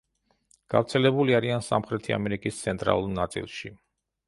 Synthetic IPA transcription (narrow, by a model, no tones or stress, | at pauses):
ɡ̥afɾt̪sʰɛlɛbuliaɾiansa̰mχɾɛt̪ʰia̰mɛɾikʼist̪sʰɛnt̪ʼɾa̰lˠuɾnat̪sʼḭlˠʃi